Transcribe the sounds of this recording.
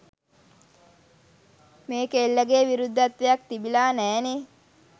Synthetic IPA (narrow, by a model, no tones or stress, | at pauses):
meːkelːəɡeːʋiɾud̪ʱːat̪ʋejak̚t̪ibilaːnæːne